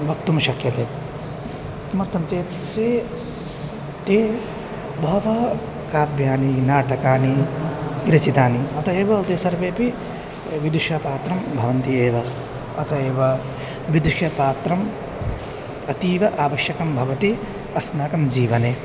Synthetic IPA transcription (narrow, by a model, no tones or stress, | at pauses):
ʋɐkt̪umɐʃɐkjɐt̪eː | sɐmɐɾt̪ʰɐmt͡ʃeː | seː | t̪eː | bʱɐʋɐ | kaːbʱjaːninaːʈɐkaːniɡɾɐt͡ʃit̪aːniɐt̪ɐeːʋɐt̪eːsɐɾʋeːpi | ʋid̪uʃjɐpaːt̪ɾɐmbʱɐʋɐnt̪ieːʋɐ | ɐt̪ʰɐeːʋɐ | ʋid̪uʃjɐpaːt̪ɾɐm | ɐt̪iːʋɐʔaːʋɐʃjɐkɐmbʱɐʋɐt̪i | ɐsnaːkɐmd͡ʒiːʋɐneː